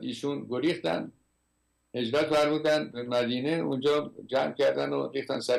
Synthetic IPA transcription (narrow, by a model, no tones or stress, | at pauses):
iːʃunɡoɾiːxt̪æ̰nd̪ | he̞d͡ʒɾæt̪fæɾmuːd̪ænd̪mæd̪iːneund͡ʒɒːd͡ʒæmkʲʰæɾd̪æ̰no̰rɾiːxt̪ænsæ